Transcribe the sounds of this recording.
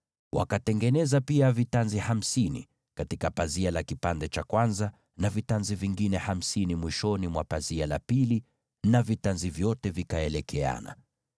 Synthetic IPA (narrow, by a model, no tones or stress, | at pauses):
wa̰katɛŋɡɛnɛzapiavitanziham̩sinḭ | katikapazialakipandɛt͡ʃakwanza | navitanziviŋɡinɛham̩sinimwiʃɔnimwapaziala̰pili | navitanzivjɔtɛvikaɛlɛkʰɛa̰na̰